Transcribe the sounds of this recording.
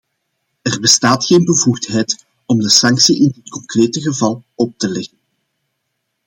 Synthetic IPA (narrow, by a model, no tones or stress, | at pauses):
ərbəstaːtxeːnbəvuxtɦɛjt | ɔmdəsɑŋksiʔɪndɪtkɔŋkreːtəɣəvɑlˠɔp̚təlɛɣən